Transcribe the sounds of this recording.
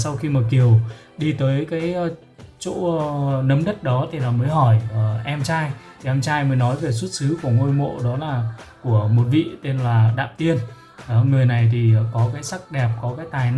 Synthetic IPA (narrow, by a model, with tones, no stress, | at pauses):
sa˧wxi˧maː˨˩ki˨˩əw | ɗi˧t̪əː˨˦jkaː˨˦j | t͡ɕo̰˧˥˧nə˨˦mɗə˦˥t̚ɗɔ˨˦t̪ʰi˨˩laː˨˩məː˨˦jɦɔ˧˩jə˨˩ʔɛ˧mt͡ɕaː˧jt̪ʰi˨˩ʔɛ˧mt͡ɕaː˧jməː˨˦jnɔ˨˦jve˨˩s̬u˦˥t̚sɨ˨˦ku˧˩əŋo˧jmo̰˧˨ɗɔ˨˦laː˨˩ku˧˩əmo˨˩t̚vḭ˧˨t̪e˧nlaː˨˩ɗa̰ː˧˨mt̪i˧ən˨˧ | ŋɨ˨˩əjna˨˩jt̪ʰi˨˩kɔ˨˦kaː˨˦jsa˦˥k̚ɗɛ˨˩p̚kɔ˨˦kaː˨˦jt̪aː˨˩jn˧